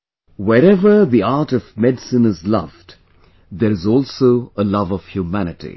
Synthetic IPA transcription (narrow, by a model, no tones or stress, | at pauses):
wɛɾɛvə˞ðiaɾʈɔvmɛdsɨ̃nɨzlʌ̰vd | d̪ɛɾɨzɔlsoʊəlʌvʌv̥hjumænɨtḭ